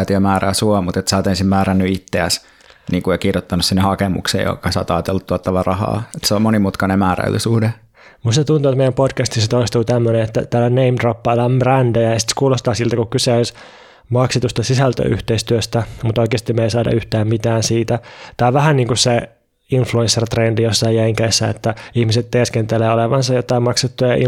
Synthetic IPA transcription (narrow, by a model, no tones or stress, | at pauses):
t̪iømæːræːsuɑmut̪et̪sæːt̪ensimmæːɾænːyit̪ːeæs | niːŋkujɑkirjot̪ːɑnussinːehɑkemṵksḛjo̰kɑsɑ̰ːt̪ɑːt̪elːut̪tuot̪ːɑʋɑrʔɑhɑ̰ːet̪seommonimut̪kɑnemæːræ̰lːysuhde | must̪et̪unt̪uet̪meijæmpodkæst̪iset̪oist̪uːt̪æmːøneet̪ːæ̰t̪æːloneimdropːɑilːɑmbrændæjɑeisi̥t̪skuːlost̪ɑːsilt̪ækukkyseois | mɑkset̪ust̪ɑsisælt̪ø̰y̰ht̪eist̪yøst̪æmut̪oikeːst̪imeisɑːdɑ̰yht̪æːmmit̪æːnsiːt̪æt̪ɑiʋæhænniːŋkusse | influẽnsːert̪rendijosːɑijæiŋkeːsːæḛt̪ːæihmiset̪t̪eskent̪eleːoleʋɑnsɑjot̪ːˑɑimɑkset̪ːujɑi